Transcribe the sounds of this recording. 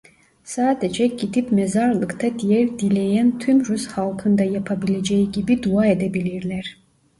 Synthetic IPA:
saːd̪ed͡ʒɛɟid̪ipmɛzaɾlˠɯkt̪ʰad̪ijɛɾd̪ilʲejænt̪ʰymɾushalˠkʰɯnd̪ajapʰabilʲed͡ʒejiɟibid̪uaed̪ɛbilʲiɾlʲæɾ̥

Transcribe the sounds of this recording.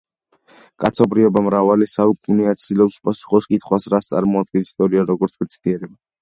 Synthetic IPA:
kʼat̪sʰɔbɾiɔbamɾavalisaukʼuniat̪sʰd̪ilɛpsu̥pʼasu̥χɔskʼit̪ʰχwasɾast̪sʼa̰ɾmɔad̪̚ɡɛnist̪ʼɔɾiaɾɔɡɔɾt̪sʰbɛt̪sʰid̪ʼiɛɾɛba

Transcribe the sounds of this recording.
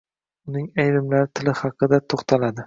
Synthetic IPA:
ʊnɪŋajɾɪmlaɾɪt̪ʰɪlɪhɑqɨd̪at̪ʰoχt̪ʰalad̪ɪ

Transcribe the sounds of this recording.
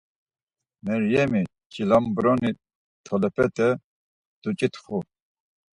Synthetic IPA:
mɛɾjɛmi | t͡ʃilambɾɔni | t̪ʰɔlɛpʰɛt̪ʰʼɛ | d̪̥ut͡ʃʼit̪χu

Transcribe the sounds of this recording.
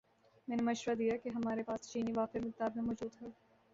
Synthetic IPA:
mɛ̃ːnemɐʃɾad̪ijakeɦɐmaːɾepaːst͡ʃiːniʋaːfɪɾmkɪt̪aːbmẽmɔːd͡ʒuːd̪ɦɛː

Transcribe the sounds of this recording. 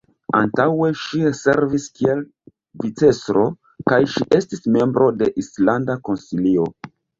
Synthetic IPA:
a̰ntawe̞ʃiese̞ɾviskie̞l | vit͡se̞sɾo̞ | kajʃiʔe̞stisme̞mbɾo̞de̞ʔislandako̞nsilio̞

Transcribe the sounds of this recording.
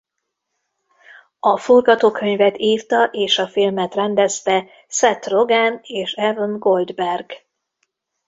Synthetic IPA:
ɒforɡɒt̪oːkʰø̞ɲvɛt̪iːrt̪ɒʔeːʃɒfilmɛt̪rɛnd̪ɛst̪ɛ | sɛt̪ro̞ɡaneːʃɛvonɡo̞ld̪bɛrɡ

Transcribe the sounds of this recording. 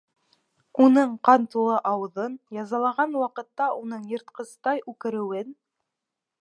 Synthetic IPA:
unɤɴqɑnt̪ulˠɤʔɑwɤ̆ðɤnjɑzɑlˠɑʁɑnwɑqɤ̆t̪ːɑunɤɴjɤ̆ɾt̪qɤ̆st̪ɑjʉkɘ̆ɾɘ̆wɘn

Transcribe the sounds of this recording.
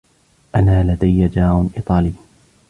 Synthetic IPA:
ʔanaːlad̪ajːad͡ʒaːɾʊnʔḭːt̪ˤɑːliː

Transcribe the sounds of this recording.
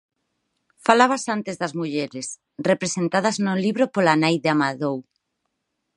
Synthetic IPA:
falaβasant̪ezðɐzmuʎeɾes | repɾesent̪að̞ɐznʊliβɾopolanajðeamaðow

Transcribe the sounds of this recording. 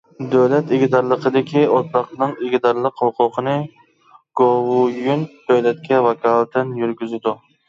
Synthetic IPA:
d̪øwlɛt̪ɪɡʲid̪ɑɾlˠəqʰəd̪ɪkʲʰiot̪lˠɑqnɨŋeɡʲid̪ɑɾlˠəqhʊqʰʊqʰənɨ | ɡ̥owʊjynd̪øwlɛt̪̚kʲɛvɑkʰɑlˠt̪ʰɪnjyɾɡʲyzɪd̪ʊ

